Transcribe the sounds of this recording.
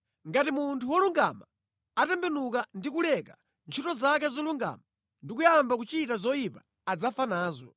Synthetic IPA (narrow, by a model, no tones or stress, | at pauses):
ŋɡatimuntʰuwɔluŋɡa̰ma | atɛmbɛnukandikulɛka | nt͡ʃʰitɔzak̬azɔluŋɡa̰ma | ndikujambakut͡ʃitazɔjipaː | d͡zafanaːzɔ̰